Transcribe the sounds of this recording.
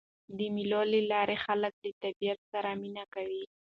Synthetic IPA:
d̪əmilolelɑɾexalək̚d̪ət̪abijat̪saɾaminakawi

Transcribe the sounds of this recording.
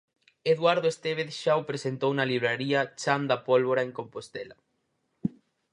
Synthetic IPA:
eðwaɾðoest̪eβ̞eθʃawpɾesent̪ownɐliβ̞ɾaɾiɐt͡ʃand̪apolβoɾaeŋkompost̪ɛlɐ

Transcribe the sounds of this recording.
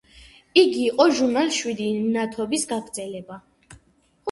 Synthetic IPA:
iɡiːqʼɔʒuɾnalʃwid̪inat̪ʰɔbisɡaɡɾd̪zɛlɛba

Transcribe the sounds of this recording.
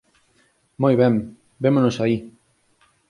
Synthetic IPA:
mojβɛm | bemonosai

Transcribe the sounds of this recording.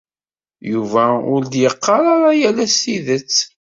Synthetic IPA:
juvæʊɾd̪jəqːɑɾˤɑɾˤɑjælæsiðət͡sː

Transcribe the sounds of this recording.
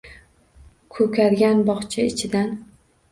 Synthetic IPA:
kʰɵkʲaɾɡʲanbɒχt͡ʃʰaɪt͡ʃʰɪd̪an

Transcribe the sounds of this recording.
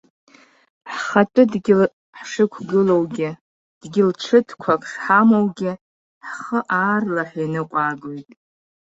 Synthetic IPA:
ħχatʷʼʊdɡʲɪl | ħʂɨkʷʰɡɨlowɡʲɪ | d̥ɡʲɪlʈ͡ʂʰɨtʰkʷʰakʼʰʂħamowɡʲɪ | ħχəʔaːrlaħinɨqʷʼaːɡojtʼ

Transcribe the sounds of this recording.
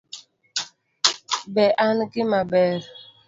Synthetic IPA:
bɛʔankɪmabɛɾ

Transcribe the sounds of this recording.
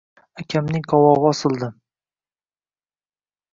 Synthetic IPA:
akʲʰamnɪŋqʰɒwɒʁɨɒsɨlˠd̪ɪ

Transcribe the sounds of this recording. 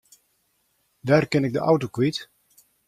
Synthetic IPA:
daːrkɪnɪk̚dəʔawtokwit

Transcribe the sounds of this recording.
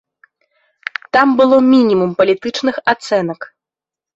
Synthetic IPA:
t̪ambɨlˠɔmʲinʲimumpɐlʲit̪ɨt͡ʂnɨxat̪sɛn̪ɐk

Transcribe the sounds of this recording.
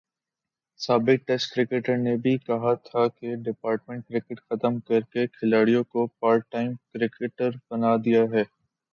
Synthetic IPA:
saːbɪk̚ʈɛsʈkɾɪkɪʈəɾnebʱikɐɦat̪ʰakeɖɪpaːɾʈmẽɳʈ̚kɾɪkɪʈxɐt̪əmkɐɾkekʰɪlaːɽijõkopaːɾ̚ʈːaːɪmkɾɪkɪʈəɾbɐnad̪ijaɦɛː

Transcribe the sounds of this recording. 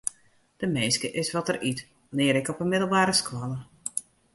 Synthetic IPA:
d̥əmeːskəʔɪsʋɔtərit | lɪːəɾɪkɔpəmɪdəl̩ˠbaːɾəskwɔlə

